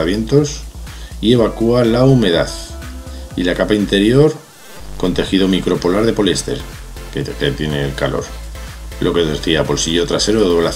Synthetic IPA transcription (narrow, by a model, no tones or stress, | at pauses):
aβje̞nt̪o̞sie̞β̞akualaume̞ðaθ | ilakapaint̪e̞ɾjo̞ɾ | ko̞nt̪e̞xiðo̞mikɾo̞polaɾð̞e̞po̞lest̪e̞̰ɾ | ket̪je̞ne̞ːlkalo̞̰ɾ | lʔo̞ke̞ðeθiapo̞lsiʎo̞t̪ɾase̞ɾoðoβla